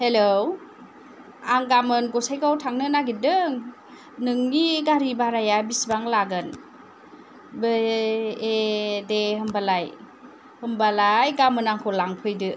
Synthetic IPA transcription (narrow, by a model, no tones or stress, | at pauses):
helow | aŋɡamɯnɡɔsajkawtʰaŋnɯnaɡidɯŋ | nɯŋniɡaɾibaɾajabisbaŋlaɡɯn | be | edehɯmbalaj | hɯmbalajɡamɯnaŋkʰɔlaŋpʰɯjdɯ